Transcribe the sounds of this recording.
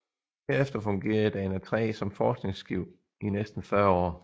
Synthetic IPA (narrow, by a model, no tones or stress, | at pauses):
heɐefd̥ɐfɔ̽ŋɡ̥e̝̰ːɐð̩ˠd̥æe̝næt͡sʰʁɛ̰ːsɒ̽mfɒːsɡ̥ne̝ŋsɡ̥iʊ̰ | inesd̥n̩fɶɐɒ̰ː